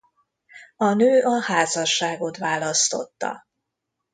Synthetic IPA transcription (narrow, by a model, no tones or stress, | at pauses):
ɒnøːɒhaːzɒʃːaːɡo̞t̪vaːlɒst̪o̞̰t̪ːɒ̰